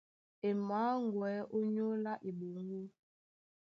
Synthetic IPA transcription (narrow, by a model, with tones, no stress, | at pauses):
e˨maː˨˦ŋ˨ɡwɛ˨˦ʔo˦ɲo˦la˦ʔi˨ɓo˨ŋ˦ɡo˦